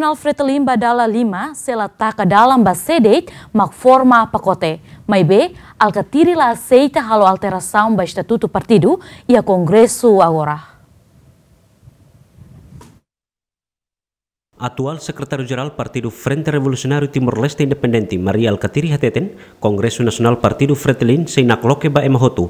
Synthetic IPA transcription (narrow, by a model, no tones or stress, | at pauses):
nalfɾɛt̪limbadalalimasɛlat̪akadalambasɛdɛjt̪̚mak̚fɔrmapakot̪ɛmajbɛalkat̪iɾilaːsɛjt̪aɦaloalt̪ɛɾasaumbaist̪at̪ut̪upart̪iduiakɔŋɡɾɛsuaɣoɾah | ʔat̪ualsɛkrɛt̪aɾjud͡ʒɛɾalpart̪idufɾɛnt̪ɛɾɛvolusiɔnaɾjut̪imurlɛst̪ɛindɛpɛndɛnt̪imaɾiaalkat̪iɾiɦat̪ɛt̪ɛnkɔŋɡɾɛsunasiɔnalpart̪idufɾɛt̪linsɛinaklɔkɛbaʔɛmaɦot̪u